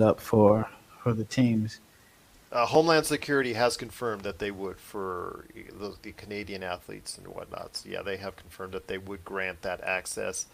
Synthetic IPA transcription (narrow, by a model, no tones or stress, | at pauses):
ʌpfə˞ | fə˞ðɨtʰĩmz̥ | hõʊ̃mlæ̃nd̥sɨkʰj̥ʊɹɨɾiɨz̥kɨ̃ɱfɜ̃˞mðɨt̪̚ðeɪwəd̥fə˞ððɨkʰɨneɪɾiɨ̃næθlḭtsn̩wʌ̰tⁿnɑ̰tsjæ̰ðeɪɨv̥kʰɱfɜ̃˞mðɨt̪̚ðeɪwəd̚ɡɹæ̃nt̪ðɨɾæ̰ksɛ̰s